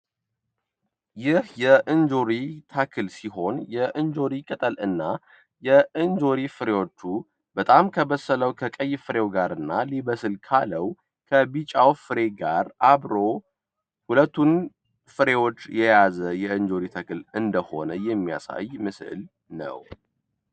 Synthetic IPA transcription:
jɪhjɛʔɨnd͡ʒoɾit̪ʰakʰɨlsiɦo̞njɛʔɨnd͡ʒo̞ɾikʼət̪ʼəlɨnːa | jɛɨnd͡ʒo̞ɾifɨɾe̞wo̞t͡ʃːu | b̥ət̪ʼamkʰəβəsːələwkʰəkʼəjːfɨɾe̞wɡaɾɨnːaliβəsɨlkʰaləw | kʰəbit͡ʃʼawfɨɾe̞ɡaɾʔaβɾo̞ | hulət̪ːun | fɨɾe̞wo̞t͡ʃːjɛjazəjɛɨnd͡ʒo̞ɾit̪ʰakʰɨlɨnd̪əho̞̰nəjɛmːija̰sa̰jmɨsɨ̰l | nə̰w

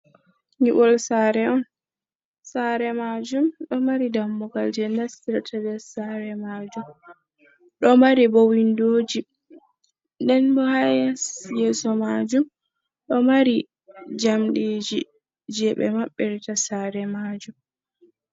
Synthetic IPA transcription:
ŋiʔɔlsaːɾɛɔn | saɾɛmad͡ʒumɗɔmaɾidamːɔɡald͡ʒɛndastiɾtʰabɛsaɾɛmad͡ʒum | ɗɔmaɾibɔwindoːd͡ʒi | ndɛnbɔhajasjɛsɔmad͡ʒum | ɗɔmaɾi | d͡ʒamɗiːd͡ʒi | d͡ʒɛɓɛ̰maɓːɛɾtasaɾɛmad͡ʒum

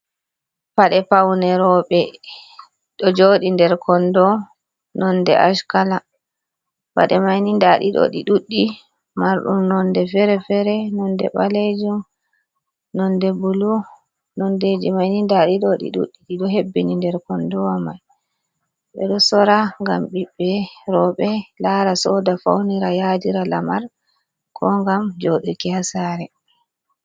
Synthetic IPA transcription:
paɗɛpawnɛɾɔɓɛ | ɗɔd͡ʒoɗindɛɾkʰɔndɔ | nɔndɛ̰ʔaʃkala | pa̰ɗɛmajnindaɗḭɗɔ̰ɗiɗuɗːi | maɾɗṵmnɔndɛfɛɾɛfɛɾɛnɔndɛ̰ɓaled͡ʒum | nɔndɛbulu | nɔndɛd͡ʒɛmajnindaɗiɗɔɗḭɗṵɗːiɗiɗɔɦebːinindɛɾkɔndɔwamaj | ɓɛ̰ɗɔsɔɾaŋɡamɓiɓːɛɾɔɓɛlaɾasɔdafa̰wniɾajadiɾalamaɾ | kʰɔŋɡamd͡ʒoɗukɛhasaɾɛ

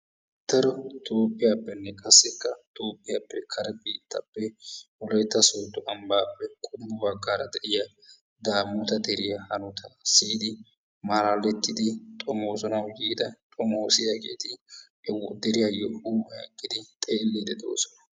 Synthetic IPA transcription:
t̪ɐɾɔt̪oːpʼːɪjaːpːɛnːɛkʼɐsːɛkːɐt̪oːpʼːɪjapːɛkʰɐɾɛbiːt̪ːɐpːɛwɔlɔjt̪ːɐsɔt̪ːʊʔɐmbaːpːɛkʼʊd̪ʊmʊbɐɡːaːɾɐd̪ɛʔɪjɐ | d̪aːmːʊt̪ɐd̪ɛɾɪjɐhɐnʊt̪ʰɐsiːd̪ɪ | maːlaːlɛt̪ːɪd̪ɪt̪ʼɔmoːsɔnɐwjiːd̪ɐt̪ʼɔmoːsɪjakḛːt̪ɪ | ɛwd̪ɛɾɪjajɔuːmɐjɐ̰kʼːɪd̪ɪt̪ʼeːlːiːd̪ɛd̪o̞̰ːsɔnɐ

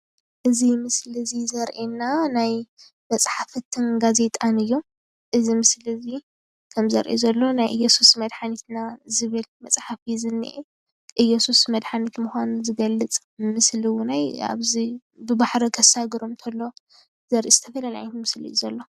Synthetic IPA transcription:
ʔɨzimɨslizizɐɾʔenanaj | mɐt͡sʼħafɨt̪ʰɨnɡaze̞t̪ʼanɨjːu | ʔɨzimɨslizi | kʰɐmzɐɾʔezɐlːo̞najʔɨjːosusmɐd̪ħanit̪nazɨβɨlmɐt͡sʼħafizɨnːḭʔe | ʔɨjosusmɐd̪ħanit̪muxʷanuzɨɡɐlːɨt͡sʼ | mɨsliwnaja̰βzi | bɨbaħɾokʰɐsaɡɨɾomt̪ʰɐlːo̞ | z̥ɐɾʔizɨt̪ʰɐfɐlɐlaant̪mɨslḭzɐlːo̞

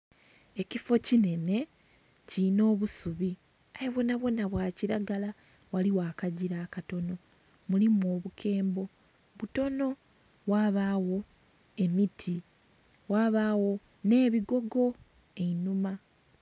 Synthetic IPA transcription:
e̞cifo̞cine̞ne̞ | cino̞ːβusuβi | ajeβo̞naβwo̞naβwaːciɾaɡala | waliwaːkaɟiɾaːkato̞no̞ | mulimo̞ːβukʰe̞ːmbo̞ | βuto̞no̞ | waːβaːwo̞ | e̞mitʰi | waːβaːwo̞ | ne̞ːβiɡo̞ɡo̞ | e̞inuma

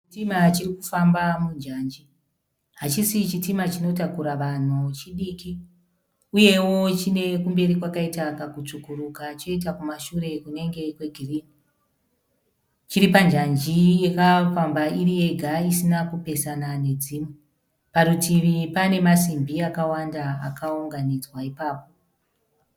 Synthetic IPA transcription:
itimat͡ʃirikufambamund͡ʒaːnd͡ʒi | ɦat͡ʃisit͡ʃitimat͡ʃino̞takuɾaʋan̤ut͡ʃiɗiki | uje̞wo̞t͡ʃine̞kumbe̞ɾikwakaitakakut͡ʂukuɾukat͡ʃo̞it̬akumaʃuɾe̞kune̞ŋɡe̞kwe̞ɡʱiriːni | t͡ʃiɾipand͡ʒand͡ʒijekafambaiɾie̞ɡʱaisinakupe̞sanane̞d͡ziːmu | paɾutʰiʋipane̞masimbiakawandaa̰kʰauŋɡanid͡zwaipaːpo̞

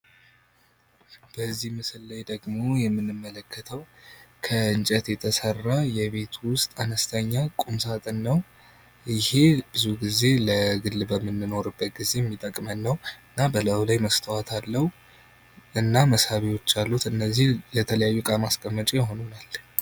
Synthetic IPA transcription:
b̥əzːihmɨsɨllajd̪əɡmo̞jɛmːɨnːɨmːələkʰːət̪ʰəwkʰəɨnt͡ʃʼət̪jɛt̪ʰəsərːajɛβe̞t̪ʰwʊst̪ʼanəst̪ʰəɲːakʼumsat̪ʼɨnːəw | jɪhe̞b̥ɨzuɡize̞ləɡɨlːbəmːɨnːɨno̞ɾɨbːət̪ɡize̞jɛmːit̪ʼəkʼmənːəwɨnːabələwlajməst̪ʰəwat̪ʰalːəhu | ʔɨnːaməshaβiwo̞t͡ʃːalːut̪ɨnːəzːihlət̪ʰələjajːukʼamaskʼəmːət͡ʃʼejɦo̞nunal

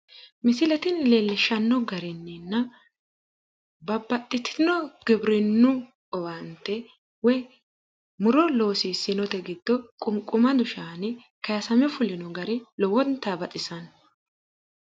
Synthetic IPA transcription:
mɪsɪlɛt̪ɪnleːlːɪʃɐnːɔɡɐɾɪnːɪnːɐ | bɐbːɐt̪ʼːɪt̪ʰɪ̥nɔɡ̥ɪbɾɪnːʊ | ɔwɐnt̪ːɛ | wɛ | mʊɾɔlo̞ːsiːsːɪnɔt̪ɛɡɪd̪ːɔkʼʊŋkʼːʊmɐd̪ʊʃaːnɪ | kɐjɐsɐmɛfʊlɪnɔɡɐɾɪlɔwɔnt̪ːabɐt͡sʼɪsɐn

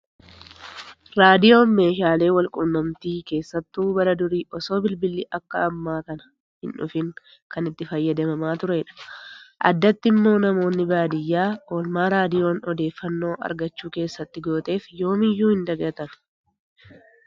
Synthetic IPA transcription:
ɾaːd̪ɪjo̞ːnme̞ːʃaːle̞ːwɐlkʼʊnːɐmt̪iːke̞ːsːɐt̪ːuːbɐɾɐd̪ʊɾiːʔɔso̞ːbɪlbɪlːiʔɐkːɐɐmːaːkɐnɐ̥ | hɪ̰nᶑʊ̰fɪŋ | kɐnɪt̪ːɪfɐjːɐd̪ɐmɐmaːt̪ʊɾɛɪᶑɐ̥ʔɐ̰d̪ːɐt̪ːɪmːo̞ːnɐmo̞ːnːɪbaːd̪ɪjːaːoːlmaːɾaːd̪ɪjo̞ːnɔd̪e̞ːfːɐnːo̞ːʔɐ̰ɾɡɐt͡ʃːuːke̞ːsːɐt̪ːɪɡo̞ːt̪e̞ːfjo̞ːmɪjːuːhɪnd̪ɐɡɐt̪ɐn

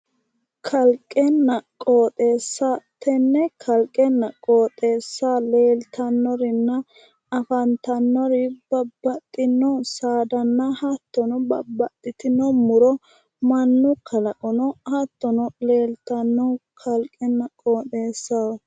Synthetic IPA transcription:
kʰɐlkʼɛnːɐkʼoːt̪ʼeːsːat̪ːɛnːɛkʰɐlkʼːɛnːɐkʼoːt̪ʼe̞ːsːale̞ːlt̪ʰɐnːɔɾɪnːɐ | ɐfɐnt̪ɐnːɔɾɪb̥ɐbːɐt̪ʼːɪnːɔsaːd̪ɐnːɐhɐt̪ːɔnɔbɐbːɐt̪ʼːɪt̪ɪnɔmʊɾɔ | mɐnːʊkʰɐlɐkʼɔnɔhɐt̪ːɔnɔle̞ːlt̪ɐnːɔkʰɐlkʼːɛnːɐkʼoːt̪ʼe̞ːsːɐw

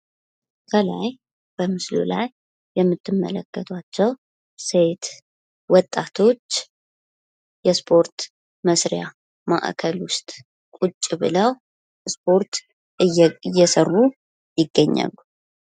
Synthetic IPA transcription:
kʰəla̰j | b̥əmɨslṵlajː | ɛmːɨt̪ːɨmːə̰ləkːət̪ʰat͡ʃːɛw | se̞t̪ | wɔt̪ʼːat̪ʰo̞t͡ʃː | jɛspʰo̞ɾt̪ | məsɾja | ma̰ʔkʰəlwʊst̪ʼ | kʷʼut͡ʃʼːbɨləw | spʰo̞ɾt̪ | ɨjːɛsərːu | jɪɡːəɲːa̰lːu

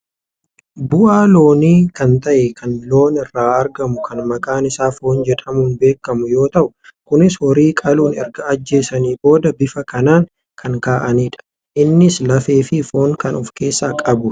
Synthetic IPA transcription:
bʊʔaːlo̞ːniːkɐnt̪ɐʔɛkɐnlo̞ːnɪrːaːʔɐɾɡɐmʊkʰɐnmɐkʼaːnɪsaːfoːnd͡ʒɛᶑɐmʊːnbe̞ːkːɐmʊjo̞ːt̪ɐʔʊkʊnɪshɔɾiːkʼɐluːnɛɾɡɐːd͡ʒːe̞ːsɐniːbo̞ːd̪ɐbɪfɐkɐnaːŋ | kʰɐŋkaːʔɐniːᶑɐ̥ | ʔɪnːɪslɐfe̞ːfɪfoːŋkɐnɔfke̞ːsːaːkʼɐbʊ

